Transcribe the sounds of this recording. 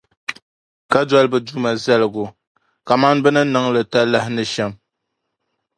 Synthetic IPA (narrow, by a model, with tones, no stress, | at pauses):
ka˦dwa˦lbɨ˨du˦ma˨zɛ˦lɨ˨ɡʊ˨ | ka˨ma˦n˦bɨ˦nɨ˦nɨ˦ŋlɨ˨ta˦la˦hɪ˦nɨ˦ʃɛ˦m